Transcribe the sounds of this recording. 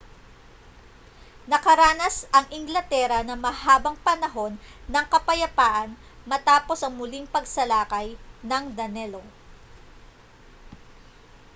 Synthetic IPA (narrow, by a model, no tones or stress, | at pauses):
nɐkɐɾaːnɐsɐŋʔɪŋɡlɐt̪ɛɾɐnɐmɐhaːbɐŋpɐnɐɦo̞nːɐŋkɐpɐjɐpaːʔɐn | mɐt̪aːpo̞sɐŋmʊliŋpɐɡsɐlaːkɐjnɐŋd̪ɐnɛlo